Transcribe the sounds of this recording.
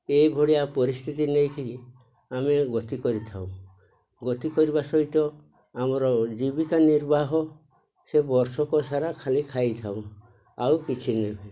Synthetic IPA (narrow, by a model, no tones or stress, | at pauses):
ejbʱɔɽijapɔɾist̪ʰit̪inejkʰi | ameɡɔt̪ikɔɾit̪ʰaw̃ | ɡɔt̪ikɔɾiβasɔjt̪ɔ | amɔɾɔd͡ʒibikaniɾbaɦɔ | sebɔɾsɔkɔsaɾakʰalikʰajt̪ʰaw̃ | awkit͡ʃʰinebe